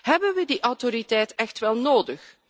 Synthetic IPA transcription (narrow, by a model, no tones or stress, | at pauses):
ɦɛbənʋədiʔɑwtoɾitɛjtɛxtʋɛlˠnoːdəx